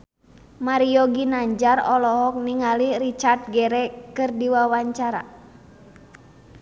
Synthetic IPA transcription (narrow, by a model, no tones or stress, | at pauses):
maɾiɔɡinaɲd͡ʒarɔlɔɦɔk̚niŋaliɾit͡ʃart̪̚ɡɛɾɛkɨrdiwawaɲt͡ʃaɾa̰